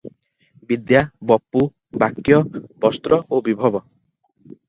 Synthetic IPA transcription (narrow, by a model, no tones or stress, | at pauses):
bid̪jabɔpːu | bakjɔbɔst̪ɾɔobibʱɔbɔ